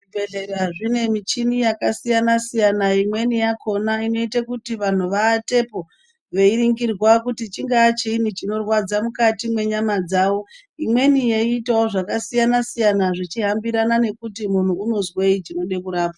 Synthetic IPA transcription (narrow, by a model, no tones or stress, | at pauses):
ʐibʱeɮe̞ɾaʐine̞mit͡ʃinijakasijanasijanaimwe̞nijakʰo̞naino̞itakutiʋan̤uʋaːte̞po̞ | ʋe̞iɾiŋɡirwakutit͡ʃiŋɡaːt͡ʃeinit͡ʃino̞rwad͡zamukatimwe̞ɲamad͡zaːwo̞ | imwe̞nijeiːtawoʐakasijanasijanaʐit͡ʃiɦambiɾanane̞kutimun̤uːno̞zweit͡ʃino̞ɗe̞kuɾaːpa